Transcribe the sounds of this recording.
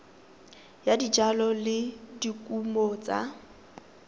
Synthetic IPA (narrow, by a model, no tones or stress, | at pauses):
jadid͡ʒalɔlɪdikʼumɔt͡sʼa̰